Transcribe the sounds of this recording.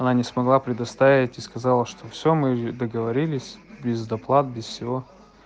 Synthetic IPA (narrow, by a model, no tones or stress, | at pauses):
ɐnanʲɪsmɐɡlˠapɾʲɪd̪ɐst̪avʲɪtʲiskɐzalˠəʂt̪ofsʲomɨd̪əɡəvɐɾʲilʲɪsʲbʲɪzd̪ɐplˠat̪̚bʲɪsfsʲɪvo